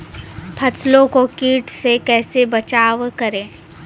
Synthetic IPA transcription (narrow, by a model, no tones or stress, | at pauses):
pʰɐsʰlõkokiːʈsekɛːsebɐt͡ʃaːʋkɐɾẽː